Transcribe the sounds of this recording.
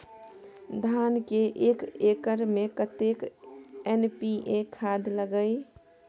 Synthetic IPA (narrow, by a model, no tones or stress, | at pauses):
d̪ʱankeʔekekəɾmekət̪ekenpiʔekʰad̪ʱləɡəj